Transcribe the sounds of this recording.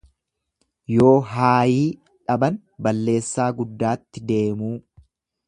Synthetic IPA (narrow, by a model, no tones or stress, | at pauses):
jo̞ːɦaːjiː | ᶑɐbɐn | bɐlːe̞ːsːaːɡʊd̪ːaːt̪ːɪd̪e̞ːmuː